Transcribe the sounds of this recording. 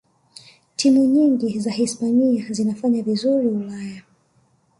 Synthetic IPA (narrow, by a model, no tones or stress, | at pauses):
tʰimuɲiŋɡizahispaɲiazinafaɲavizuɾiulaja